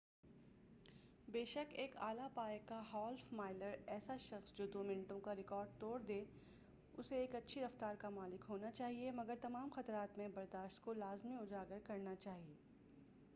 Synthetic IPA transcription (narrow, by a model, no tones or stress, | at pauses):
beːʃəkeːkaːlapaːjkaɦɔːlfmaːɪləɾɛːsaʃɐxsd͡ʒoːd̪oːmɪnʈõkaɾɪkɔːɾɖ̚t̪oːɽd̪eː | ʊseːkɐtːʃʰiɾɐft̪aːɾkamaːlɪkɦoːnat͡ʃaːɦiemɐɡəɾt̪ɐmaːmxɐt̪ɾaːt̪mẽbɐɾd̪aːʃt̪̚kolaːzmiʊd͡ʒaːɡəɾkɐɾnat͡ʃaːɦieː